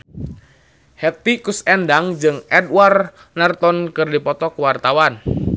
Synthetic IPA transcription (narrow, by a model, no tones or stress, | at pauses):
hɛt̪ikusɛndaŋd͡ʒɨŋʔɛdwar | nart̪ɔnkɨrdipɔt̪ɔkuwart̪awan